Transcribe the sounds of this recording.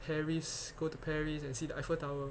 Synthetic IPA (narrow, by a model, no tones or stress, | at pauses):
pʰɛɹisɡ̥otupʰɛɹisɛ̃nsiːdəaɪfətawə